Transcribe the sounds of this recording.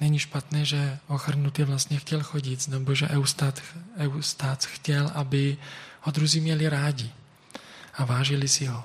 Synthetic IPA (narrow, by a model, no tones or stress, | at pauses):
nɛɲiʃpat̪nɛːʒɛoxr̩nut̪ɪvlast̪ɲɛxcɛlxoɟɪt̪znɛboʒɛʔɛwst̪at̪ɛwst̪aːt͡sxcɛlʔabɪhod̪ɾuziːmɲɛlɪɾaːɟɪ | ʔavaːʒɪlɪsɪɦo